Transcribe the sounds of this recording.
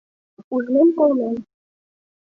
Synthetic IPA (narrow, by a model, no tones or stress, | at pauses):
uʒnemkolmem